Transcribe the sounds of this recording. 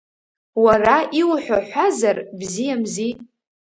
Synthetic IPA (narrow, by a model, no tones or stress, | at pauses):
waraʔiwħʷᶣaħʷazarbzijamzi